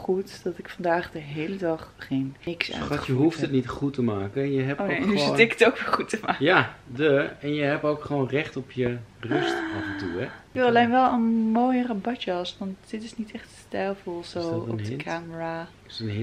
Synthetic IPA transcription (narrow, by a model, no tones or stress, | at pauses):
χutd̥ɔtɪkfɑndaːχdəɦeːlədɑχχenɪksa̰ːjəɦuftətnitχutəmaːkəjəɦɛpooɪkətowkʋɪχutəmaːkjadəɛnjəɦɛpowkχəʋoːnrɛχtɔpjərøstavəntṵɛjolenʋɛlˠənmoːjərabɔtəɔsʋɑntdɪtɪsnitɛχtəstɛlˠfolˠsoːɔ̰dəkʰaːməra | ən